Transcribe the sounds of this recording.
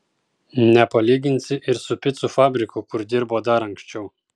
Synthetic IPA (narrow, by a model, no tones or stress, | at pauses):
nʲɛpɐlʲiːɡʲɪnʲsʲɪʔɪɾsʊpʲɪt̪sʊfɑːbʲɾʲɪkʊkʊɾd̪ʲɪɾboːd̪ɐɾɐŋʲkʲsʲt͡ʃʲɛʊ